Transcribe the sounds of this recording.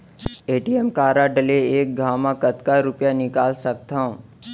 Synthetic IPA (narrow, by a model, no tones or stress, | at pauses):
eːʈiemkaːɾaɖəleeːk̚ɡʱaːmãkət̪kaɾʊpjanɪkaːlsək̚t̪ʰãũ